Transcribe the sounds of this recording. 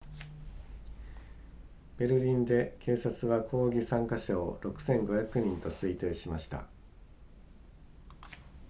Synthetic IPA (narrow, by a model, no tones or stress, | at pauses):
b̥e̞ɾɯ̟ɾʲĩnd̪e̞kʰe̞ːsat͡sɨβakʰo̞ːɡʲisãŋkaɕaoɾo̞kɯ̟̥sẽ̞ŋɡo̞çakɯ̟ɲ̟ĩnt̪o̞sɨit̪e̞ːɕimaɕi̥t̪a̰